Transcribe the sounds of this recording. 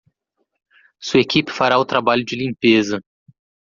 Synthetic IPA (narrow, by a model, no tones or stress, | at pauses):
suɐekipɪ̥faɾaʊt̪ɾabaʎʊd͡ʒɪlĩpezɐ